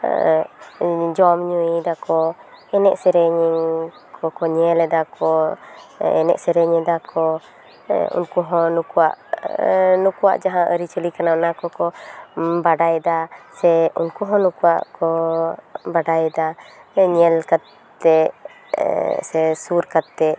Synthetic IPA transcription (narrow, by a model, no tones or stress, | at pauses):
d͡ʒɔmɲuid̪akɔ | ɛnɛʔsɛɾɛɲ | kʰɔkɔɲɛlɛd̪akɔ | ɛ̰nɛ̰ʔsɛɾɛɲɛd̪akʰɔ | ṵnkuɦɔ̃nukuwa̰ʔ | nukuwa̰ʔd͡ʒaɦãʔəɾit͡ʃəlikananakɔkɔ | baɖajd̪asɛunkuɦɔ̃nukuwa̰ʔkɔ | baɖajd̪aɲɛlkad̪ | t̪ɛ | sɛsuɾkat̪ːɛ